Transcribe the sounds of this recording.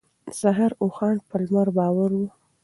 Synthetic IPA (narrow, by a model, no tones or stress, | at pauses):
z̥aɦɑɾoxɑɳpəlmaɾbɑwaɾwu